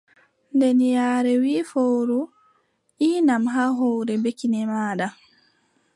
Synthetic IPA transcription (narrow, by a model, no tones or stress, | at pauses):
ndɛnijaːɾɛwiːfowɾu | ʔiːnamɦaɦɔwɾɛbekinɛmaːɗa